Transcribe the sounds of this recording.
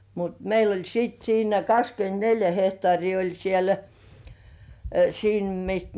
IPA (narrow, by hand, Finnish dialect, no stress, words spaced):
mut meil olʲ siːt siːnæ kɑkskyentneljæ hehtŏɑˑriː olʲ siel siːm mist